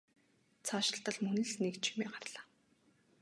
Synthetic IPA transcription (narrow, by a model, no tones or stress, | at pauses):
t͡sʰaːʃɪ̆ɬt̪ə̆ɮmɵnɘ̆ɮnekt͡ɕʰi̥meːɢarɮaː